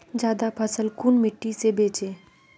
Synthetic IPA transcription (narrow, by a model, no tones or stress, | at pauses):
d͡ʒjaːd̪apʰəsəlkuːnmɪʈːisebeːt͡ʃeː